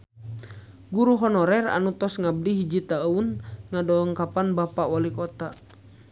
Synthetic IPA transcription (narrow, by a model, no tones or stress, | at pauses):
ɡuɾuɦɔnɔɾɛra̰nut̪ɔsŋab̚diɦid͡ʒit̪aunŋadɔɔŋkapanbapawalikɔt̪a